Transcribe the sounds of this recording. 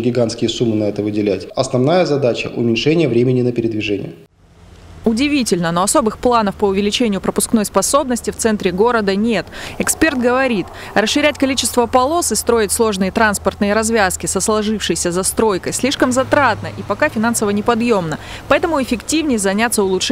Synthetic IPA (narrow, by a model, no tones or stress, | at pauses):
ɡʲɪɡanskʲɪjəsumːɨnɐɛt̪əvɨdʲɪlʲætʲɐsnɐvnajəzɐd̪at͡ɕə̰ʔʊ̰mʲɪnʲʂɛnʲɪjəvɾʲemʲɪnʲɪnəpʲɪɾʲɪd̪vʲɪʐɛnʲɪ̰jə | ʊdʲɪvʲitʲɪlʲnənoɐso̞bɨxplˠanəfpəʊvʲɪlʲɪt͡ɕenʲɪjʊpɾəpʊskno̞jspɐso̞bnəsʲtʲɪft̪sɛnt̪ɾʲɪɡo̞ɾəd̪ənʲe̞t̪ɛkspʲe̞rt̪̚ɡəvɐɾʲit̪ | rəsʂːɨɾʲætʲkɐlʲit͡ɕɪst̪vəpɐlˠo̞sɨst̪ɾo̞ɪtʲslˠo̞ʐnɨjət̪ɾanspərt̪nɨjəɾɐzvʲaskʲɪsəslˠɐʐɨfʂɨjsʲəzɐst̪ɾo̞jkəjsʲlʲiʂkəmzɐt̪ɾat̪nəʔipɐkafʲɪn̪ansəvənʲɪpɐd̪jo̞mnə | pɐɛt̪əmʊɪfʲɪktʲivnʲɪjzɐnʲat̪sːəʊlˠʊ